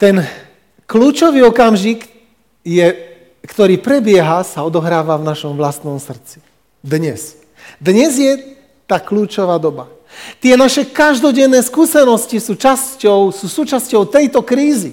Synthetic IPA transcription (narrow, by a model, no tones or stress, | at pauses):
t̪ɛn | kluːt͡ʃɔʋiːɔkamʒik | jɛ | kt̪ɔɾiːpɾɛbɪɛɦasaɔd̪ɔɦɾaːʋavnaʃɔmʋlast̪nɔmsr̩t͡si̥ | d̪ɲɛs | d̪ɲɛzjɛ | t̪aːkluːt͡ʃɔʋaːd̪ɔba | t̪ɪɛnaʃɛkaʒd̪ɔɟɛnːɛːskuːsɛnɔscisuːt͡ʃascɔʊsuːsuːt͡ʃascɔʊt̪ɛjt̪ɔkɾiːzi